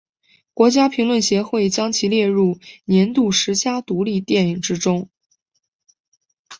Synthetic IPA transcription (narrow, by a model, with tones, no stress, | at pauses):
kwɔ˧˥t͡ɕja˥pʰi˧˥ŋlwə˥˩nɕjɛ˧˥xwe˥˩ɪt͡ɕjɑ˥ŋt͡ɕʰi˧˥ljɛ˥˧ɻu˥˩njɛ˧˥nt̪u˥˩ʂɻ̩˧˥t͡ɕja˥t̪u˧˥li˥˧t̪jɛ˥˩ni˨˩ŋʈ͡ʂɻ̩˥ʈ͡ʂʊ˥ŋ